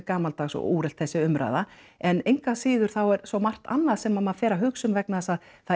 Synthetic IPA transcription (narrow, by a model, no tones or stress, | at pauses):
kaːmalt̪aːxsɔ̰uːɾɛlt̪θɛsːɪʏmɾa̰jða | ɛnejŋkasɪːðʏɾ̥θawɛɾsvɔwmar̥t̪a̰nːaðsɛmamafɛːɾaɦʏksʏmvɛknasað | θa